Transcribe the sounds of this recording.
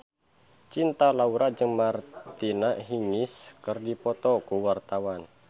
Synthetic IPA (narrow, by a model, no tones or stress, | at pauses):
t͡ʃint̪alauɾad͡ʒɨŋmart̪inaʔɦiŋɪskərdipɔt̪ɔkuwart̪awan